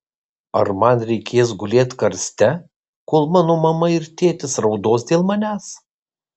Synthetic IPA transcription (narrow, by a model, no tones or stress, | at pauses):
ɐ̰ɾmɐnɾʲɛɪkʲeːs̬ɡʊlʲeːt̪ʲkɐɾʲsʲt̪ʲɛ | koːlˠmɑːnoːmɐmɐɪɾt̪ʲeːt̪ʲɪsɾɒʊd̪oːsd̪ʲeːlˠmɐnʲæːs